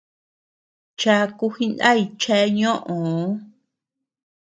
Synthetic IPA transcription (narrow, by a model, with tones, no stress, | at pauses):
t͡ʃa˧ku˧hi˧nd̪a˦i˧t͡ʃa˦ɲõ˦ʔõ˨˦